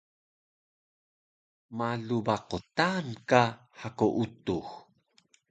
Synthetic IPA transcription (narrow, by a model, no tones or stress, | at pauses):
maɮubaqotanka | ħakoʔutux